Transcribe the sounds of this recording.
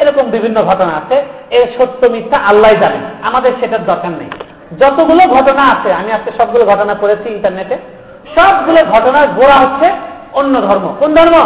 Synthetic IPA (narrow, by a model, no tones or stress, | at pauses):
eɾɔkombibʱinːoɡʱɔʈonaat͡ɕʰe | eɾʃot̪ːomit̪ʰːaʔalːajd͡ʑaɾḛnamad̪eɾʃeʈaɾd̪ɔɾkaɾna̰j | d͡ʑɔt̪oɡuloɡʱɔʈonaat͡ɕʰeamiaskeʃɔb̚ɡuloɡʱɔʈonakoɾet͡ɕʰiiɳʈaɾneʈe | ʃɔbɡuloɡʱɔʈonaɾboɽaɦotːɕʰe | onːod̪ʱɔɾmokond̪ʱɔɾmo